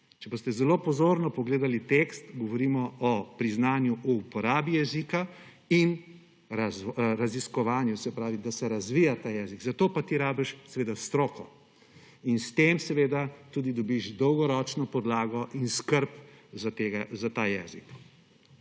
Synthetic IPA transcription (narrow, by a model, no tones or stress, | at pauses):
t͡ʃɛboːst̪ɛzɛlopɔzoːɾnɔpɔɡleːd̪alit̪ekst̪ɡɔʋɔɾiːmɔɔpɾiznaːnjuʔuːpɔɾaːbijɛzika | in | ɾazɾaziskɔʋaːnjusɛpɾaːʋid̪asɛɾazʋiːjat̪aːjɛːziɡzat̪oːpat̪iɾaːbɛʃsɛʋeːd̪ast̪ɾoːkɔ | inst̪emsɛʋeːd̪at̪uːd̪id̪ɔbiʃd̪ɔwɡɔɾɔt͡ʃnɔpɔd̪laːɡɔʔinskəɾpzat̪eːɡazat̪aːjɛːzḭk